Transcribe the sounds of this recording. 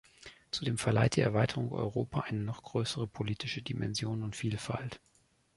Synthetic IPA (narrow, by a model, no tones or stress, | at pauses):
t͡sudeːmfɛɐla̰ɪt̚d̥iːɛɐvaɪtʰəʁʊŋʔɔ̰ʏʁ̞oːpʰaʔaɪnənɔχɡ̥ʁøːsəʁ̞əpʰoliːtɪʃədimɛ̰nzjoːnʊntfiːlfa̰lt